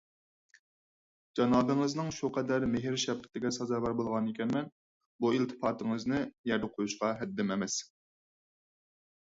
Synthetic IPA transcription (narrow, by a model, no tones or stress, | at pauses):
d͡ʒɑnɑːbɨŋɨznɨŋʃuqʰɛd̪æɾmeɦɪɾʃɛb̚qʰə̥t̪ʰɪɡʲɛsɑzɑːvɑɾbolˠʁɑnikʲʰɛnmɛn | built̪ʰɨ̥pɑːt̪ʰɨŋɨznɨjɛɾd̪ɛqʰojuʃqɑɦɛd̪ːɪmɛmɛs